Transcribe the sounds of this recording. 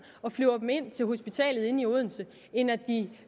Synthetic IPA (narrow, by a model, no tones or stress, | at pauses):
ɒ̽flyʊɐb̥m̩e̝n̰t͡sʰe̝lɦo̝sb̥it͡sʰɛ̰ːlð̩ˠe̝nioð̰ˠn̩sə | e̝næd̥i